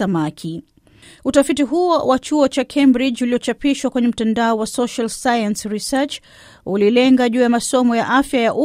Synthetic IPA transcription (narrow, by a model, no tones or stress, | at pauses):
amakʰi | utafitiɦuɔwat͡ʃuɔt͡ʃakʰɛmbɾid͡ʒuliɔt͡ʃapiʃwakwɛɲɛm̩tandaɔwasɔʃalsajansɾisɛt͡ʃ | ulilɛŋɡaʄuːjamasɔmɔjaʔafjajaʔu